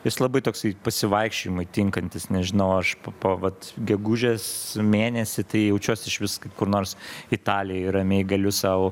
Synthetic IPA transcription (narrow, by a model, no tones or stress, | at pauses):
jɪslˠɐbɐɪt̪oːksɐɪpɐsʲɪʋɐɪkʃʲt͡ʃʲɪmɐɪt̪ʲɪŋkɐnʲt̪ʲɪsnʲɛʒʲɪnɐʊɐʃppoːʋɐt̪ɡʲɛɡuʒʲesmʲeːnʲɛsʲɪt̪ɐɪjɛʊt͡ʃʲuɔsʲɪʃʋʲɪskɐɪpkʊɾnoːɾsɪt̪ɑːlʲɪjɛɪɾɐmʲeːɪɡɐlʲʊsɑʊʊ